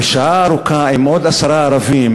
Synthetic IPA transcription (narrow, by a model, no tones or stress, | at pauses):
ʃaːɾukʰãːimoːd̪ɐsɐɾaːɾɐvĩːm